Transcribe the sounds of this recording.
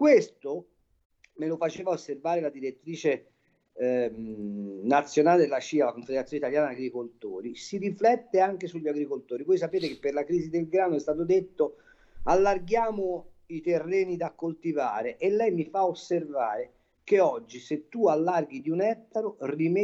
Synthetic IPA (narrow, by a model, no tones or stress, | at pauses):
kwest̪o | melofat͡ʃeːvaosːervaːɾelad̪iɾet̪ːɾiːt͡ʃe | nat̪sːjonaːled̪elat͡ʃiːalakoɱfed̪eɾt̪sjonit̪aljaːnaːɡɾikolt̪o̰ːɾisiɾiflɛt̪ːeaŋk̟esuʎːaɡɾikolt̪oːɾivojs̬apeːt̪̬ekepːerlakɾiːzid̪elɡɾaːnoɛst̪aːt̪̬od̪et̪ːo | alːarɡjaːmo | it̪erːɛːnid̪akːolt̪ivaːɾeʔelːɛjmifaosːervaːɾe | keɔd͡ʒːiset̪ːualːarɡid̪iunɛt̪ːaɾorime